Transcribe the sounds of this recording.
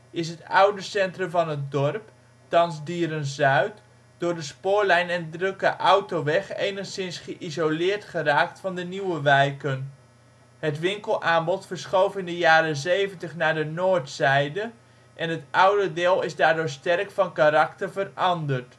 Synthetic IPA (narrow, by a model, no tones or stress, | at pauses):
ɪs̬ɦətʌwdəsɛntrɵmvɑnɦət̚dɔrp | tɑnzdiːɾənzœɥt | d̥ʊːɹdəspʊːɹlɛjnɛndrɵkəʔɔwtowʋɛχḛjnəχsɪnsχəʔizolɪːɹtχəraːk̚tfɑndəniwəʋɛjkən | ɦətʋɪŋkəlˠʔaːmbɔtfəɹsχowfɪndəjaːɾəzejvəntəχnaːɹdənoːɹtsɛjdə | ʔɛnɦətʌwdədɪːlˠɪzdaːɹdʊːɹstɛrkfɑnkaɾɑktəɹvərɑndəɹt